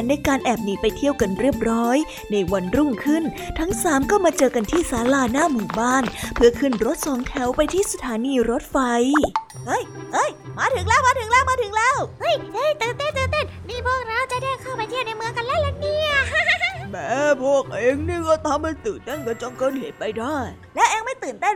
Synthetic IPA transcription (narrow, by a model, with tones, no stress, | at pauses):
nːa˧jkaː˧nʔɛː˨˩p̚niː˧˩pa˧jt̪ʰi˥˩əwka˧nɾi˥˩əp̚ɾɔː˦˥j | na˧jwa˧nɾu˥˩ŋkʰɯ˥˩n | t̪ʰa˦˥ŋsaː˩˦mkɔː˥˩maː˧t͡ɕɤː˧ka˧nt̪ʰiː˥˩saː˨˦laː˧naː˥˩muː˨˩baː˥˩npʰɯ˥˩ɐkʰɯ˥˩nɾo˦˥t̪̚sɔː˩˦ŋt̪ʰɛ˨˦wpa˧jt̪ʰiː˥˩sa˧t̪ʰaː˨˦niː˧ɾo˦˥t̪̚fa˧jʔɤ˧˥˩jʔɤ˧˥˩jmaː˨˦˥t̪ʰɯ˨˦ŋlɛː˥wmaː˧t̪ʰɯ˨˦ŋlɛː˦˥˩wmaː˧˥t̪ʰɯ˨˦ŋlɛː˦˥˩whɤ˦˧˥jʔɤ˧˥˩jt̪ɯː˨˩nt̪e˥˩nt̪ɯː˨˩nt̪e˥˩nniː˥˩pʰu˥˩ək̚ɾa˧˥wt͡ɕa˨˩dɛː˥˩ŋkʰa˥˩wpa˧j̪t̪ʰi˥˩wna˧jmɯ˨˧˦əŋka˧nlɛː˦˥wlɛ˧˥ni˧˥˩ɐmɛː˨˦pʰu˥˩ək̚ʔeː˧ŋniː˥˩kɔː˥˩t̪ʰa˧mha˥˩jt̪ɯː˨˩nt̪e˥˩nka˧˦t͡ɕɔ˧ŋkɤː˧˥n̚hḛ˨˩˦t̪̚pa˧jdaː˥˩j | lɛ˦˥ʔɛː˧ŋma˥˩jt̪ɯː˨˩nt̪e˥˩˨